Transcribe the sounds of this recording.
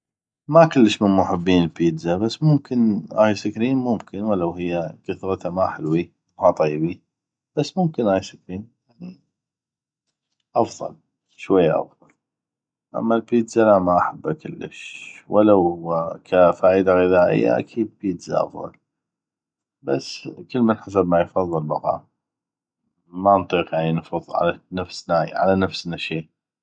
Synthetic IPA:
makʊlːəʃmənmʊħɪbːiːnəlpiːd̪zabasːmʊmkʰənʔa̰ːjsakɾiːnmʊmkʰənwalːawɦɪjːakaθɾˤɑt̪amaħɪlwi | hɑt̪ˤɑjːbi | b̥asːmʊmkənʔaːjsakɾiːnjaʕni | ʔɑfðˤɑ̰l | ʃwajːaʔɑ̰fðˤɑl | ʔa̰mːalpiːt̪zalamaʔaħabːakʰɪlːə̰ʃwalawkʰafaːʔid̪aɣɪðaːʔɪ̰jːa̰ʔa̰kʰiːd̪piːt̪za̰ʔɑ̰fðˤɑ̰l | basːkəlːmənħas̬abmajfɑðˤːɨlmɑ̰qɑ̰ːm | mant̪ˤiːqjaʕninfʊðˤʕa̰lanafsnaʕa̰lanafsnaʃiː

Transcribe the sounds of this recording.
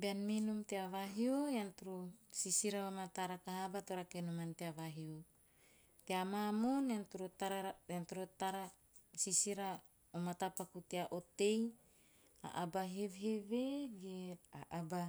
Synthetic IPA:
beanminumt̪eavaɦiojant̪uɾusisiɾaβamat̪aɾakaɦabat̪oɾakenumant̪eavaɦio | t̪eamamonant̪uɾotaɾaant̪uɾot̪aɾa | sisiɾa | omat̪apakut̪eaʔot̪ej | a̰ʔabaɦevɦeveɡeaʔaba

